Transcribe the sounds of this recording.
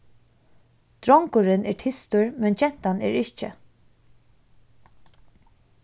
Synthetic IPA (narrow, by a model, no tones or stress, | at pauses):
d̪̥ɾɔŋkʊɾɪnɛɹtʰɪst̪ʊɹmɛnt͡ʃɛn̥t̪anɛ̰ɹɪt͡ʃə̰